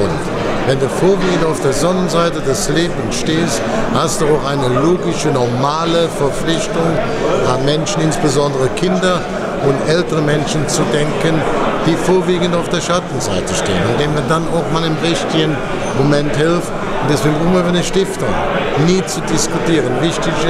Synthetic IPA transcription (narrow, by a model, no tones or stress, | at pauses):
ʊ̰nt | vɛnduːfoːɐviːɡən̩taʊfd̥eːɐzɔnənzaɪtədɛsleːbənʃteːst | hastd̥uaʊxaɪnəloːɡɪʃənɔɐmaːləfɛɐflɪçtʊŋ | ʔanmɛnʃən̩ɪnsb̥əzɔndəʁəkʰɪndɐ | ʊntʔɛltəʁəmɛnʃənt͡sudɛŋkənd̥iːfoːɐviːɡən̩taʊfd̥eːɐʃatn̩za̰ɪtəʃtḛːənɪnd̥eːnmiɐdanaʊxmaːlɪmʁɪçtɪɡən | momɛnthɪlft | ʊntdɛsv̥ɪɪmɐybɐnəʃtɪftʊ̰ŋniːt͡sudɪskutiːʁ̞ənvɪçtɪç